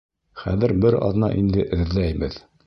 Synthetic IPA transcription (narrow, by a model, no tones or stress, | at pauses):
χæðɘɾbɘɾɒ̰ðnɑ̰ʔind̪ɘʔɘ̆ðlæjbɘð